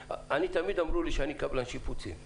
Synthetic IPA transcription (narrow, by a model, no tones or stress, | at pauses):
anitamidamɾuliʃanikablanʃiputʰḭ